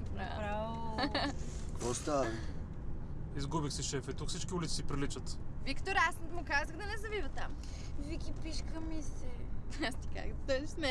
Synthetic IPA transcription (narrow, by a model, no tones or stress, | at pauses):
pɾaɾavo | kvɔst̪a | izɡubixsɛʃɛfɛit̪ukfsit͡ʃkʲiulit̪i̥sipɾilit͡ʃət̪vikt̪oɾasmʊkazəɣd̪ɐnɛzɐvivɐt̪am | vikʲipiʃkəmisɛast̪i̥ka̰kt̪ɛzismɛ